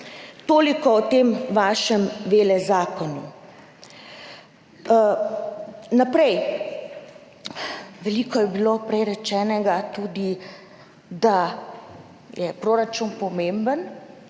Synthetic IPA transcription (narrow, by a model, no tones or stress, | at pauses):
t̪oːlikɔɔt̪emʋaːʃɛmʋeːlɛzaːkɔnu | napɾɛj | ʋɛliːkɔjɛbilopɾɛjɾɛt͡ʃɛːnɛɡat̪uːd̪i | d̪a | jɛpɾoːɾat͡ʃunpɔmẽmbən